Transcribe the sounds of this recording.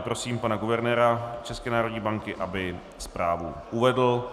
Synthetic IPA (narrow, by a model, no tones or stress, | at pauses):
pɾo̞siːmpanaɡuvɛɾnɛːɾat͡ʃɛskɛːnaːɾodɲiːbaŋkɪʔabɪ | spɾaːvṵʔuvɛdl̩